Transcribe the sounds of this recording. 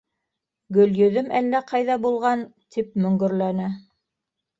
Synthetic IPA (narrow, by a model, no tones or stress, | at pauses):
ɡɵ̆ljɵ̆ðɵmʔælːæqʰɑjðɑbulˠʁɑnt̪ʰip̚mɵ̆ŋɡɵ̆ɾlænɘ